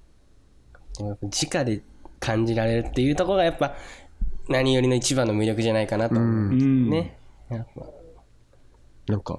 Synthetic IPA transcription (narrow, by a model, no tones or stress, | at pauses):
aapːad͡ʑikad̪e̞kʰãɲ̟d͡ʑiɾaɾe̞ɾɯ̟t̪ːe̞jɯ̟ːt̪o̞kooɡajapːa | naɲ̟ijo̞ɾino̞it͡ɕibãnːo̞mʲiɾʲo̞kɯ̟ʑanaikanat̪oːmne̞japːa̰ | noka̰